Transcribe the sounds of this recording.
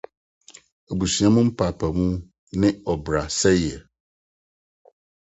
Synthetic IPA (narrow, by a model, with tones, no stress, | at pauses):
e˨bu˨su˨ã˦mʊ̃˦m̩˦pʰa˨pʰa˨mũ˦ | nɪ̃˦ɔ˨bɾa˨sɛ˦jɛ˨